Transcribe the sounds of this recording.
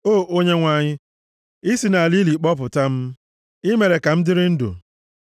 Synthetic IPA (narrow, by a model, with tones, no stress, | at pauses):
oː˦˨o˦ɲe˦ŋʷa˨ɲɪ˦ | i˦si˨na˨li˦li˨k͡pɔ˦p̬ʊ˨ta˦m̩˦ | i˦me˨ɾe˨ka˨m̩˦dɪ˦ɾɪ˦n̩˦dṵ˨